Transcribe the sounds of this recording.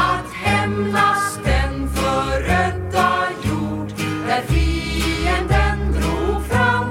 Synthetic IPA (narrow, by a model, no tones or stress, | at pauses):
t̪hɛmlast̪ənfɔɾœd̪ɑjuɖd̪æɾfiːənd̪ənd̪ɾuːfɾɑm